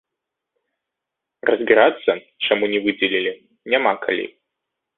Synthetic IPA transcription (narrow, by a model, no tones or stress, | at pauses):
rɐzbʲiɾat̪sːɐ | ʂɐmunʲɪvɨdʲɪlʲilʲɪ | nʲɛmakʰɐ̰lʲḭ